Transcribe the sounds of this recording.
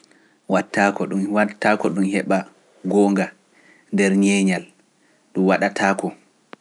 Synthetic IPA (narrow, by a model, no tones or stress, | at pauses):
watːakɔɗumwatːakɔɗumhɛɓa | ɡɔːŋɡa | ndɛɾɲɛːɲal | ɗumwaɗatʰaːkɔ